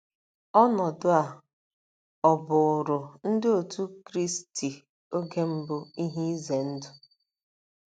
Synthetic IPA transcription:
ɔ˦nɔ˨dʊ˦a˨ | ɔ˨bʊ˨ɾʊ˨n̩˦dɪ˦o˨tu˦kɾi˦sti˨ | o˦ɡe˦m̩˦bʊ˦i˦ɦi˦ze˨n̩˦dʊ˦

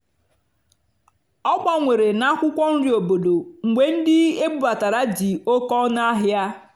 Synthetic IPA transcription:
ɔ˦ɡ͡ba˦ŋʷe˨ɾe˨na˦kʷʊ˦kʷɔ˦n̩˦ɾi˦o˨bo˨do˨ŋ̩˨ɡ͡bʷe˨n̩˦dɪ˦e˦bu˦ba˨ta˨ɾa˦d͡ʒi˨o˦kɔ˦na˦ɦja˦

